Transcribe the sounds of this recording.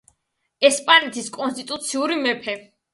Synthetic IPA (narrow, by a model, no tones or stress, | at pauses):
ɛspʼanɛt̪ʰiskʼɔnst̪ʼit̪ʼut̪sʰiuɾimɛpʰɛ